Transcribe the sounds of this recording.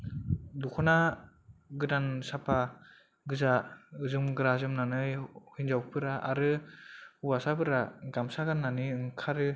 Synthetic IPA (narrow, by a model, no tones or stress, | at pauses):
dukʰɔna | ɡɯdansapʰa | ɡɯzaɯzɯmɡɯɾazɯmnanɯjhɯnzawpʰɯɾaʔaɾɯhuwasabʰɯɾaɡamsaɡanːanɯɯŋkʰaɾɯ